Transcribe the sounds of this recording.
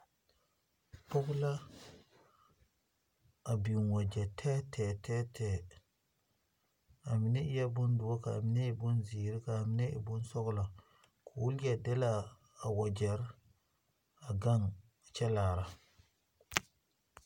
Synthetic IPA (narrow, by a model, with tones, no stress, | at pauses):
po˦kla˦ | a˨bi˨nwa˨d͡ʒe˨tʰe˦tʰe˨te˦tʰe˨ | a˨mi˨ne˦i˦ja˦bu˦ndu˨wo˦ka̰ː˨mi˨ne˦i˨bu˦nzi˨ɾi˦kaː˨mi˨ne˦ḭ˨bu˦nso˦ɡla˨ | kʰu˨wu˦lɡa˨de˦laː˦˨ | wa˨d͡ʒe˨ɾ | a˨ɡa˦ŋ˨ | t͡ʃe˦la˨ɾa˦